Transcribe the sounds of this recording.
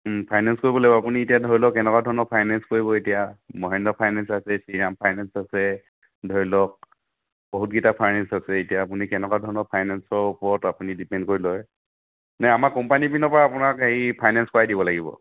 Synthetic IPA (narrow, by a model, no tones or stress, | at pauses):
m̩pʰajnanskoɹibɔlaɡibɔapunietijadʱɔɹilɔkɛnɛkwadʱɔnɔpʰajnanskoɹibɔetijamɔɦɛndɔpʰajnansasɛsiɹampʰajnansasɛ | dʱɔɹilɔk̚ | bɔɦut̚ɡitapʰajnɛnsasɛetijaːpunikɛnɛkwadʱɔɹnɔpʰajnansɔɹupɔɹɔtapunidipɛndkoɹilɔj | naamakɔmpanipinɔpɔɹaapʊnakaɦipʰajnanskɔajdibɔlaɡibɔ̰